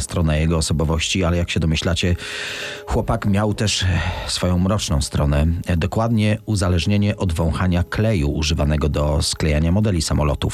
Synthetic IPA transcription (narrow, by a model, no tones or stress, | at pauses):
st̪ɾɔnajɛɡɔːsɔbɔvɔɕt͡ɕialɛjakɕɛd̪ɔmɘɕlat͡ɕɛ | xwɔpakmʲjawt̪ɛʂsfɔjɔ̃w̃mɾɔt͡ʂnɔ̃w̃st̪ɾɔnɛd̪ɔkwad̪ɲɛuzalɛʐɲeɲɛʔɔd̪vɔ̃w̃xaɲaklɛjuːʐɘvanɛɡɔd̪ɔsklɛjaɲamɔd̪ɛlʲisamɔlɔ̰t̪uf